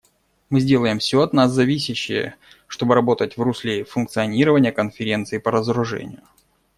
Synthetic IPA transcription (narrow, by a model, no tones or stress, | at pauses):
mɨzʲdʲe̞lˠəjɪmfsʲoɐt̪naszɐvʲisʲɪɕːɪ̰jə̰ | ʂt̪o̞bɨɾɐbo̞t̪ətʲvrusʲlʲefʊnk̚t̪sɨɐnʲiɾəvənʲɪjəkənfʲɪɾʲe̞nt̪sɨɪpəɾəzəɾʊʐɛ̰nʲɪ̰jʊ